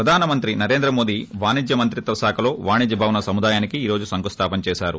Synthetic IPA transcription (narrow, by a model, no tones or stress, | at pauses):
pɾɐd̪ʱaːnɐmɐnt̪ɾinɐɾeːnd̪ɾɐmo̞ːd̪iʋaːnid͡ʒjɐmɐnt̪ɾit̪ɐsaːkʰɐlo̞ːʋaːɳid͡ʒɐbʱaːʋnɐsɐmud̪aːjaːnikiːɾo̞ːd͡ʒusɐŋkust̪ʰaːpɐnt͡ʃɛːʃaːɾu